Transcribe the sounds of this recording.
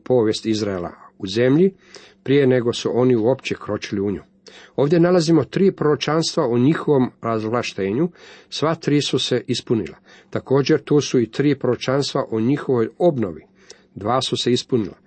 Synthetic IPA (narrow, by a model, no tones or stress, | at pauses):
po̞ːʋje̞st̪izɾaela̰uze̞mʎi | pɾije̞ne̞ɡo̞suʔo̞niuo̞pt͡ɕekɾo̞t͡ʃiliuɲo̰jo̞ːʋd̪ʲje̞nalazimo̞t̪ɾiːpɾoot͡ʃanst̪ʋaoɲixoʋo̞mɾazvlˠaʃt̪eːɲusʋat̪ɾiːsuse̞ʔispunḭla̰ | t̪ako̞ːd͡ʑe̞ɾt̪uːsuit̪ɾiːpɾoɾot͡ʃanst̪ʋaʔoɲixo̞ʋo̞jo̞bno̞ʋi | d̪ʋaːsuse̞ispunila̰